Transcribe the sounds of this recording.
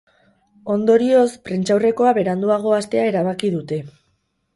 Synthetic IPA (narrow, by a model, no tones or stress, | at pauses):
o̞nd̪o̞ɾio̞spɾent͡ʃawre̞ko̞aβe̞ɾand̪uaɣ̞o̞ast̪e̞ae̞ɾaβ̞akiðut̪e̞